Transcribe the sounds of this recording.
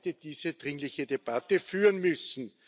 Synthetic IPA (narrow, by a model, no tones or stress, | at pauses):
təd̥iːzəd̥ʁɪŋlɪçədeb̥atəfyːʁənmʏsn̩